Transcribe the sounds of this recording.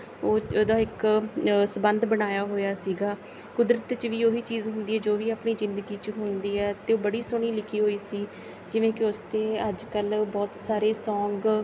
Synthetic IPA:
oːd̪ãːɪk | səbənd̪bəñaːjaːɦoːjaːsiːɡaː | kʊd̪ɾət̪t͡ʃʋiːoːɦiːt͡ʃiːzɦʊ̃nd̪iːɦɛːd͡ʒoːʋiːaːpɳiːzɪ̃nd̪əɡiːt͡ʃɦʊnd̪iːɛːt̪eːoːbəɽiːsʊɳ̃iːlɪkʰiːɦoːiːsiː | d͡ʒɪʋẽːkɪʊst̪eːəd͡ʒkəlbɔːt̪saːɾeːsɔ̃ːŋɡ

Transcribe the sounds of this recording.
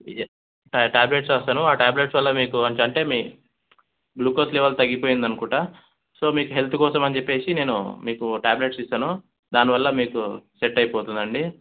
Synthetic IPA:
ʈʈaːbleʈsaːst̪aːnuaːʈaːble̞ʈsʋɐlːɐmiːkuɐɲt͡ʃɐɳʈe̞ːmiː | bluːkosleʋɐlt̪ɐɡːipoːjind̪ɐnukuːʈa | so̞ːmiːkuɦe̞lt̪ʰukɔːsɐmɐnt͡ʃe̞pːe̞ːsine̞ːnṵmiːkuʈaːble̞ʈsist̪aːnu | d̪aːniʋɐlːɐmiːkuseʈːɐjipoːt̪und̪ɐɳɖi

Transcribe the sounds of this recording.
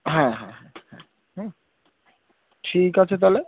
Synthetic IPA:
ɦɛ̃ɦɛ̃ɦɛ̃hɛ̰̃ | ɦ | ʈʰikat͡ɕʰet̪̬ale

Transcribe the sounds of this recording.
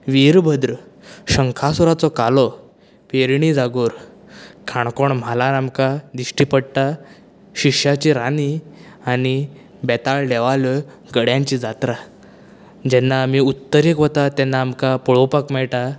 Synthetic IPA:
ʋiɾbʱəd̪ɾəɕəŋkʰasɔɾat͡sɔkalɔ | peɾɳid͡zaɡoːɾ | kʰaɳ̃kɔɳm̤alaɾamkad̪iɕʈiːpəɽʈ̪a | ɕikʂjat͡ɕiɾani | ani | bɛt̪aɭɖɛʋalɔ | ɡəɽjãɲt͡ɕid͡zat̪ɾa | d͡ʑɛnːaːmiut̪ːəɾikʋɔt̪at̪ɛnːaːmkapəɭopakmɛɭʈa

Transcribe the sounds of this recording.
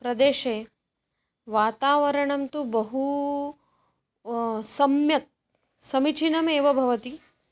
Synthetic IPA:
pɾɐd̪eːʃeː | ʋaːt̪aːʋɐɾɐɳɐmt̪ubɐɦu | sɐmjɐk̚ | sɐmit͡ʃʰinɐmeːʋɐbʱɐʋɐt̪i

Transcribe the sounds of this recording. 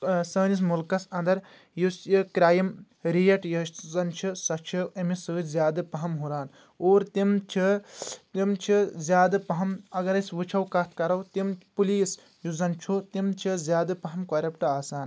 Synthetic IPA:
sɐːnis̬mulkɐsɐnd̪ɐɾ | jusjɨkɾʲaːjɐm | ɾijɐʈjɐzɐnt͡ʃʰisɐt͡ʃʰiɐmisɨːtʰzʲjaːd̪ɨpɐɦɐmɦuɾaːn | oːɾt̪imt͡ʃʰit̪imt͡ʃʰizʲjaːd̪ɨpɐɦɐmɐɡɐɾɐsʋɨt͡ʃʰɐwkɐt̪ʰkɐɾɐwt̪impuliːs | juzɐnt͡ʃʰut̪imt͡ʃʰizʲjaːd̪ɨpɐɦɐmkɐɾʲɐpʈɐaːsaːn

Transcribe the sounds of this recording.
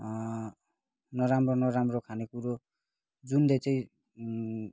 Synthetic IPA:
nʌɾamronʌɾamrokʰanekuɾo | d͡zund̪ʌt͡sʌĩ

